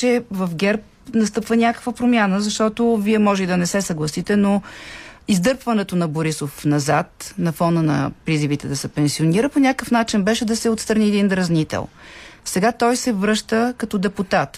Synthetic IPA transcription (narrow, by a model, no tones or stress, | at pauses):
t͡ʃɛvəfɡʲɛɾp̚ | nɐst̪ɤpvənʲakə̥kvəpɾomʲjanəzɐʃt̪ɔt̪oviɛmɔʒɛd̪ɐnɛsɛsɐɡlˠɐsit̪ɛno | izd̪ɤɾpvɐnɛt̪onɐboɾisofnɐzat̪nɐfɔnənɐ̰pɾizivit̪ɛd̪ɐsɛpɛnsioniɾəponʲakəfnat͡ʃinbɛʃɛd̪ɐsɛot̪st̪ɾɐniɛd̪ind̪ɾɐznit̪ɛ̰lˠsɛɡat̪ɔjsɛvɾɤʃt̪əkɐt̪ɔd̪ɛput̪at̪